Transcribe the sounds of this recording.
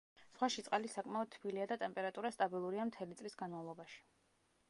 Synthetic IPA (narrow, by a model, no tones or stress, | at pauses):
sχwaʃit̪sʼalisakʼmaɔd̪̚t̪ʰbiliad̪at̪ʼɛmpʼɛɾat̪ʼuɾast̪ʼabilˠuɾiamt̪ʰɛlit̪sʼlisɡanmavlˠɔbaʃi̥